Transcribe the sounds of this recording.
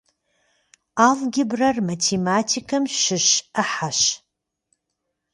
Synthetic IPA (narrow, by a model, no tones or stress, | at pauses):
aːlɡʲɪbrɐrmatʰemaːtʰikʰɐmʃɪʃɐħaʃ